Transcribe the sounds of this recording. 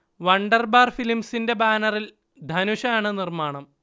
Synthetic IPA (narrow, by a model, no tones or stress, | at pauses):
ʋɐɳɖɐrbaːrfilimsinde̞baːnɐril | d̪ʱɐnuɕɐaːɳɨnirmaːɳɐm